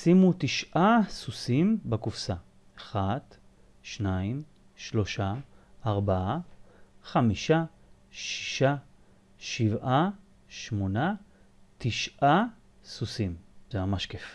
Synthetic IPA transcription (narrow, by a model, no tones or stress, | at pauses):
simut̪iʃʔasusimbekufsa | aχat | ʃnaim | ʃlo̞ʃaːʁbaa | χamiʃa | ʃi̥ʃa | ʃivʔa | ʃmona | t̪iʃʔa | susimzeamaʃkef